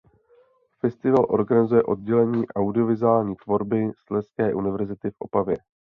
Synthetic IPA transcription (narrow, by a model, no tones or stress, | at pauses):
fɛst̪ɪvalʔo̞̰ɾɡanɪzujɛʔo̞d̚ɟɛlɛɲiːʔawdɪo̞vɪzaːlɲiːt̪vo̞ɾbɪslɛskɛːʔunɪvɛɾzɪt̪ɪfʔo̞̰pavjɛ